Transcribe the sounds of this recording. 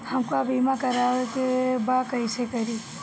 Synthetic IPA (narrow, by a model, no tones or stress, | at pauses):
hɐmkabimakɐɾaʋekebakəjsekəɾi